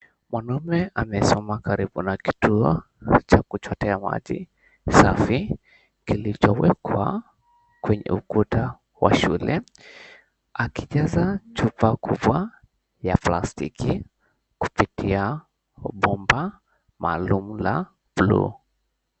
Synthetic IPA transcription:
mwanɔmɛʔamɛsɔmakaɾiɓunaki̥tuɔ | t͡ʃakut͡ʃɔtɛama̰ʄḭ | safi | kilit͡ʃɔwɛkʰwa̰ | kwɛɲɛ̰ukuta | wa̰ʃulɛ | akiʄazat͡ʃupakuɓwa | japlastiki | ku̥pitia | ɓɔmba | maːlumula | blṵ

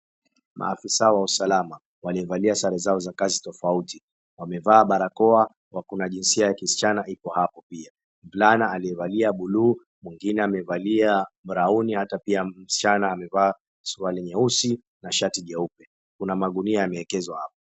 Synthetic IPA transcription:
mʔa̰ːfisaɔwausalama | waliɛvaliasaɾɛzaɔzakazitɔfauti | wamɛvaːɓaɾakɔa | wakunaʄinsiajakisi̥t͡ʃanaipɔhapɔpia | mvlanaːliɛvaliaɓuluː | mwiŋɡinɛamɛvaliam̩ɾaunihatapiam̩si̥t͡ʃanaːmɛvaː | suwalɛɲɛusi | naʃatiʄɛupɛ | kunamaɠuniajamɛɛkɛzwahapɔ

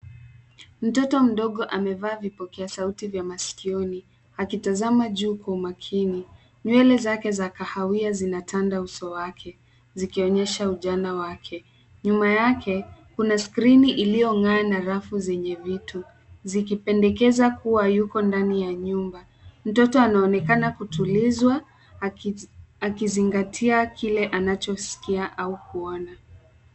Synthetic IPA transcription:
m̩tɔtɔm̩ɗɔɠɔʔamɛvaːvipɔkɛasautivjamasi̥kiɔni | akitazamaʄuːkaumakʰini | ɲwɛlɛzakɛzakahawiazinatʰandausɔwakʰɛ | zikiɔɲɛʃauʄanawakʰɛ | ɲumajakʰɛkunaskɾiniʔilijɔŋɡaːnaɾafuzɛɲɛvitu | zikipɛndɛkɛzakuwajukɔndanijaɲumba | m̩tɔtɔanaɔnɛkanakutulizwa | akiziŋɡatʰiakʰilɛʔanat͡ʃɔsi̥kiaʔaukuɔna

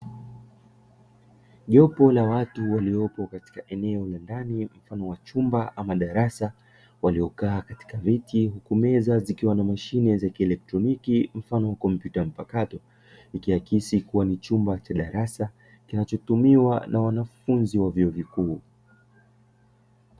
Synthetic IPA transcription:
ʄɔpɔlawatuwaliɔpɔkati̥kaʔɛnɛɔlandanim̩fanɔwat͡ʃumbaʔamaɗaɾasa | waliɔkaːkati̥kavitiɦukumɛzazikiwanamaʃinɛzakiɛlɛk̚tɾɔnikim̩fanɔwakɔmpjutam̩pakatɔ | ikiakisikuwanit͡ʃumbat͡ʃaɗaɾasa | kinat͡ʃɔtumiwanʔawanafunziwavjiɔvikuː

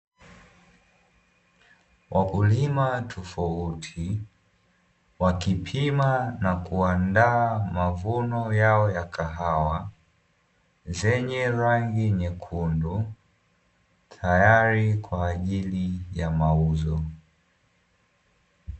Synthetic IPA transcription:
wʔakulimatʰɔfautʰi | wakipʰimanakuandaːmavunɔjaɔjakʰaɦawa | zɛɲɛɾaŋɡiɲɛkʰundu | tʰajaɾikwaːʄilijamauzɔ

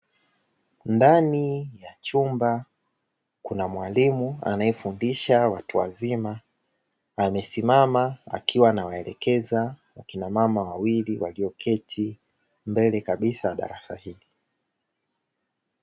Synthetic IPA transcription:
ndanijat͡ʃumba | kunamwalimua̰naɛfundiʃawatuwa̰zima | amɛsimamaa̰kʰiwanawaɛlɛkɛzawakinamamawawiliwa̰liɔkʰɛtʰi | mbɛlɛkaɓisaaɗa̰ɾasa̰hili

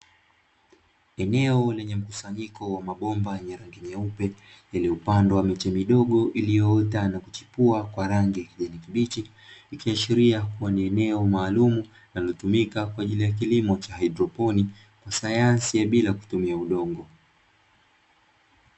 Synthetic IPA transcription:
ɛnɛɔlɛɲɛm̩ku̥saɲikʰɔwamaɓɔmbajɛɲɛɾaŋɡimɛupɛ | jalɛupandɔwamit͡ʃɛmiɗɔɠɔʔilijɔɔtanakut͡ʃi̥puakwaɾaŋɡijakiʄɛnikiɓit͡ʃi | ikiaʃiɾiakuwaniɛnɛɔmaːlumu | nalɔtumikakwaːʄilijak̬ilimɔt͡ʃahaidɾɔpɔni | kwasajansijaɓilaku̥tumiauɗɔŋɡɔ

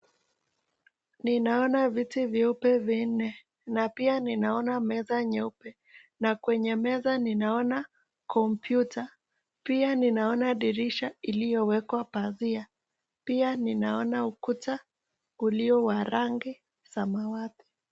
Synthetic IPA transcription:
ninaɔnavitivjɛupɛvin̩ɛ | napianinaɔnamɛzaɲɛupɛ | nakwɛɲɛmɛzaninaɔna | kɔmpjuta | pianinaɔnaɗiɾiʃailijɔwɛkwapazia | pianinaɔnaukuta | uliɔwaɾaŋɡi | samawati̥

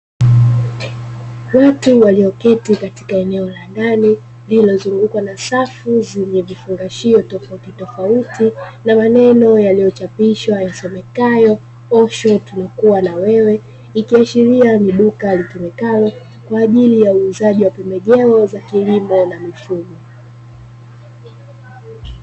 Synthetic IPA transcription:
watuwaliɔkɛtikati̥kaɛnɛɔlandani | lilɔzuŋɡukwanasafuzɛɲɛvifuŋɡaʃiɔtɔfautitɔfautinamanɛnɔjalijɔt͡ʃapiʃwajasɔmɛkajɔ | ɔʃɔtunakuwanawɛwɛ | ikiaʃiɾianiɗukalitumɛkajɔ | kwaːʄilijauːzaʄiwapɛmbɛʄɛɔzakilimɔnamifuɡɔ

